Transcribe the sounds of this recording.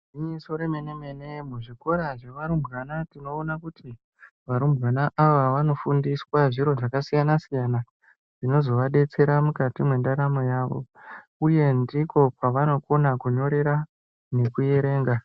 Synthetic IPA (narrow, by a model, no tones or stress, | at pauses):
iɲiso̞ɾemeneme̞ne̞muʐiko̞ɾaʐeʋaɾumbɣanatino̞ːnakutʰi | ʋaɾumbɣanaʔaʋaʋano̞fundiswaʐiɾo̞ʐakasijanasijana | ʐino̞zo̞ʋaɗe̞t͡se̞ɾamukatimwe̞ndaɾamojaːʋo̞̰ | uje̞ndiko̞paʋano̞ko̞nakuɲo̞ɾe̞ɾa | ne̞kuje̞ɾe̞ːŋɡa